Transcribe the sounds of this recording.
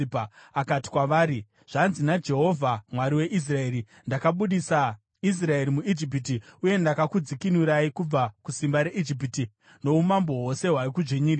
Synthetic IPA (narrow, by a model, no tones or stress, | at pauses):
pakati̥kwaʋaːɾi | ʐ̥anzinad͡ʒe̞ɦo̞vʱamwaɾiwe̞ʔis̬rae̞ːɾi | ndakaɓuɗisa | is̬rae̞ɾimuid͡ʒip̬it̬iuje̞ndakakud͡zikinuɾaikub͡vakusimbaɾeʔid͡ʒip̬iti | no̞umambo̞ɦwose̞ɦwaikud͡ʒeɲiːr